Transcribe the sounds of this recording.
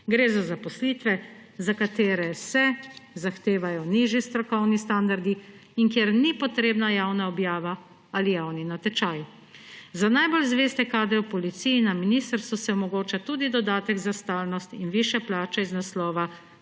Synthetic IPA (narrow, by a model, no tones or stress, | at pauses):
ɡɾeːzazapɔsliːt̪ʋɛzakat̪eːɾɛsɛzaxt̪eːʋajɔniʒist̪ɾɔkɔwnist̪and̪aɾd̪iiŋkjeːɾnipɔt̪ɾeːbnajawnaɔbjaːʋa | alijawninat̪ɛt͡ʃaːj | zanajbolzʋeːst̪ɛkaːd̪ɛɔpɔlit̪sijinaminist̪əɾst̪ʋusɛɔmɔɡoːt͡ʃat̪uːd̪id̪ɔd̪aːt̪ɛɡzast̪aːlnɔst̪inʋiʃjɛplaːt͡ʃɛiznaslɔːʋa